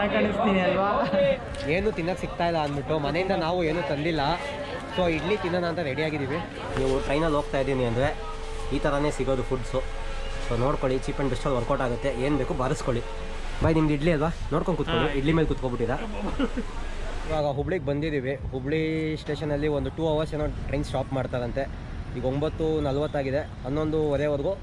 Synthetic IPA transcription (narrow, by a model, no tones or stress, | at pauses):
ɐjkɐɳist̪iːniɐlʋaː | eːnuːt̪inːɐksik̚t̪aːjilːɐːnbiʈːumɐne̞jind̪ɐnaːʋue̞ːnuːt̪ɐnd̪ilːɐ | soːiɖlit̪inːɐnaːnt̪ɐɾeɽiaːɡid̪iːʋi | niːʋuʈɾɐjnɐlɦoːɡ̚t̪aːid̪iːniɐnd̪ɾe̞ | iːt̪ʰɐɾɐne̞ːsiɡo̞ːd̪upʰuɖsu | soːno̞ːɽkoɭit͡ʃiːpeɳbesʈɐlɐɾkoʈaːɡut̪ːe̞eːnbe̞ːkubɐɾɐskoɭi | bɐjnimɐd̪iɖliɐlʋano̞ːɽkoɳɖkut̪koɭiiɖɭimeːlkut̪kobiʈːid̪ɐ | iʋaːɡɐɦubɭiɡebɐnd̪id̪iːʋiɦubɭisʈe̞ːʂɐnːɐlːiond̪uʈuːɐʋɐɾseːnoːʈɾɐjnsʃaːpmaːɽt̪aːɾɐnt̪e̞ | iːɡɐombɐt̪ːunɐlɐʋɐt̪ːaːɡid̪e̞ | ɐnːo̞nd̪uɔɾeːoɾɡu